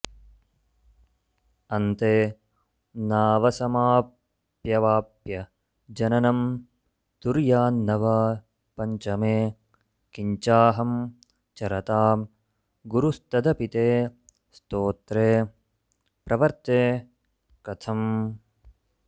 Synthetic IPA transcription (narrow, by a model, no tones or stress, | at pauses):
ɐnt̪eː | naːʋɐsɐmaː | pjɐʋaːpjɐ | d͡ʒɐnɐnɐm | t̪uɾjaːnːɐʋaː | pɐɲt͡ʃɐmeː | kiɲt͡ʃaːɦɐm | t͡ʃɐɾɐt̪aː | ɡuɾust̪ɐd̪ʱɐpit̪eː | st̪oːt̪ɾeː | pɾɐʋɐɾt̪eː | kɐt̪ʰɐm